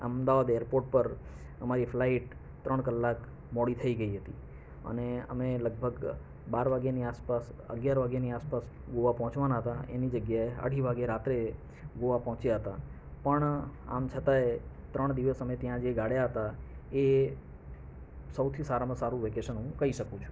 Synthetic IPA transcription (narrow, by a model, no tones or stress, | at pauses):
ə̰md̪aʋad̪ejɾpoɾʈ̚pəɾ | əmaɾiflaiʈ | t̪ɾəɳ̃kəlːak | mɔɽit̪ʰəiɡəiɦət̪i | ə̰neə̰meləɡ̚bʱəɡ | baɾʋaɡjaniaspas | ə̰ɡjaɾʋaɡjaniaspas | ɡoʋapɔɦɔ̃t͡ʃʋanaɦət̪aʔḛnid͡ʒəɡjaeə̰ɽʱiʋʱaɡeɾat̪ɾe | ɡoʋapɔ̃ɦt͡ʃjaɦət̪a | pəɳa̰mt͡ʃʰət̪aet̪ɾəɳ̃d̪iʋəsəmet̪jãd͡ʒeɡaɽjaɦət̪ae | səwt̪ʰisaɾamãsaɾũʋekeʃənɦũkəiʃəkũt͡ʃʰũ̥